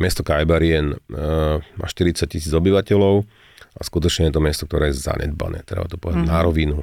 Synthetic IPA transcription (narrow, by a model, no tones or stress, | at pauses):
mɪɛst̪ɔkajbaɾiɛn | ma̰ːʃt̪iɾit͡sac̚cisiːd͡zɔbiʋacɛlɔʊ | askut̪ɔt͡ʃɲɛjɛt̪ɔmɛst̪ɔk̚t̪ɔɾɛːjɛza̰ɲɛ̰d̪ba̰nɛ̰ːt̪ɾɛ̰ba̰t̪ɔ̥pɔʋɛd̪daɟnaɾɔʋinu